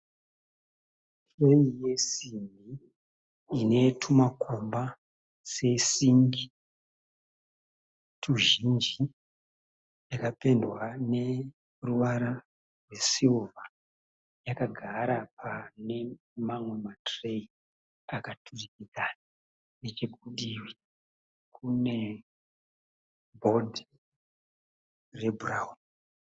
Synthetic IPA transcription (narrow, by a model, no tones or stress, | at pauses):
tre̞ije̞simiː | ne̞tʰumakʰomba | se̞siŋɡi | tʰuʒind͡ʒi | jakape̞ndwane̞ | ruʋaɾa | rwe̞siuva | jakaɡʱaɾapʰane̞ | mamwe̞matrei | akatʰurikikana | net͡ʃeɡʱuɗiwi | kʰune̞ | bʱo̞di | re̞buraun